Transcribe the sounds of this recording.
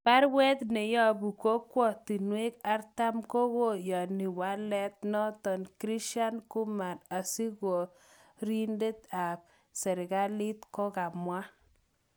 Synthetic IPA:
pa˦ɾwɛ˦t̪ne˨jɔ˦˨bu˨ko˦kwɔ˨t̪i˨nwe˦ka˦rta˦mko˦ko˦˨ja˨ni˨wa˦lɛ˦t̪̚nɔ˦t̪ɔ˨nkɾi˦ʃa˦nku˦ma˨ɾa˨si˦ko˨ | ɾi˦nde˦t̪a˨p̚ | sɛ˨ɾɡa˦li˦t̪kɔ˦ka˨mwa˦

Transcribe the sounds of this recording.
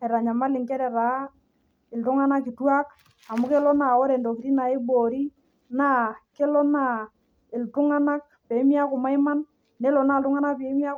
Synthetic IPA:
ɛ˨ɾa˨ɲa˨ma˦lɪ˨ŋkɛ˦ɾɛ˨ɾa˨˦ | ɪ˨ltʊ˦ŋa˦na˦ki˨twa˦k | a˨mʊ˦ke˦lɔ˦na˨o˦ɾe˨ndo˨ki˨ɾi˦na˨e˦bo˨ɾi˦ | na˦ke˦lɔ˦na˨ | ɪ˨ltʊ˦ŋa˦na˦k̚ | pe˨˦mi˦a˦kʊ˨ma˦i˦ma˦nː | e˦lɔ˨na˦˨ltʊ˦ŋa˦na˦pe˨˦mi˦a˦

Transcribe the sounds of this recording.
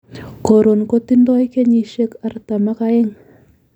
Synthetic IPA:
ko˨ɾo˨nko˦t̪i˦ndɔ˦jke˦ɲi˨ʃe˦ka˨rt̪a˨ma˦ka˦e˦ŋ

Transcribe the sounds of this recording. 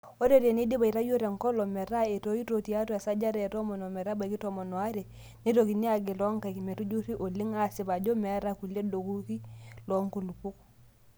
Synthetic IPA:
o˦ɾe˦˨ɾe˨ne˦di˦ba˨i˨ɾa˦jo˦ɾe˨ŋkɔ˦lɔ˨mɛ˨ɾa˦e˨to˦i˦to˨ti˨a˦tɔ˦a˨sa˦d͡ʒa˦ɾɛ˨tɔ˦mɔ˨no˨mɛ˨ɾa˦ba˨i˨ki˦tɔ˨mɔ˨nɔ˨a˦ɾe˨ | ni˦to˨ki˨ni˦a˨ɡi˨lɔ˦ŋka˨ki˨mɛ˨tu˦d͡ʒu˦ɾi˦ʔo˨li˦ŋa˨sɪ˨ba˨d͡ʒo˦mɛ˨˦ɾa˦ku˨le˦do˨ku˦ki˦lɔ˨˦ŋku˨lu˨pu˦k

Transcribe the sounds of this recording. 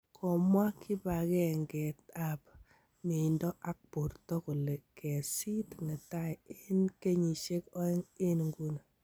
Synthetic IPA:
kʰɔ˨mwa˦kʰɪ˦ba˨kɛ˦ŋɡɛ˨ta˨p̚ | mɪ˨ndɔ˦ʔa˦k̚pu˨ɾtɔ˦kʊ˨le˨kʰɛ˨si˦tŋɪ˨ta˦jɪ˦nke˦ɲi˨ʃe˦kɔ˦ɪ˦ŋɪ˦nŋɡu˦na˨

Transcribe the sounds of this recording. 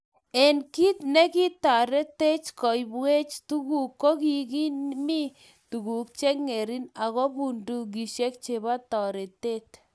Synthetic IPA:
ɛ˨nki˦t̪nɛ˦ki˦t̪a˨ɾe˦t̪e˦t͡ʃkɔ˨jbwe˦t͡ʃtu˦ɣu˨kːo˦ki˨ki˦nmi˦ | tu˨ɣu˨k̚t͡ʃe˦kŋe˨ɾi˦na˨ɣo˦bu˨ndu˨k̬i˨ʃe˦k̚t͡ʃe˨ba˦t̪ɔ˨ɾe˨te˦t̪

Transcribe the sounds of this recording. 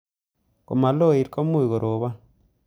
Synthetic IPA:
ko̰˨ma˨lo˦˨i˨ɾko˦mu˦i˨ɣo˨ɾʔo˨βa˦

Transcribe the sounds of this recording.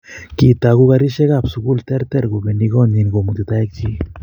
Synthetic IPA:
ki˨t̪a˨ɡu˦ɣa˧ɾi˦ʃe˦ɣa˨psu˨ku˦lt̪e˦ɾt̪e˦ɾɡu˨be˨ni˧ɡo˦ni˨nɡo˨mu˨t̪e˨t̪a˦e˦k̚t͡ʃi˦

